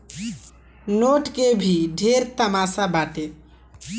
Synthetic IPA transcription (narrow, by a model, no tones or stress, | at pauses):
noʈkebʱiɖʱeɾt̪əmasabaʈe